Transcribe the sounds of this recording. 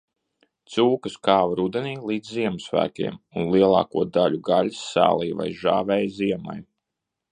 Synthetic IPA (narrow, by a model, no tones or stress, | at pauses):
t̪suːkɨskaːvaɾud̪ɛniːlˠiːd̪zziɛmusvæ̰ːkʲḭɛmunlˠiɛlˠɑ̰ːkuɔd̪aʎʲuɡalʲisːæ̰ːlˠijva̰jʒaːvɛːjziɛma̰j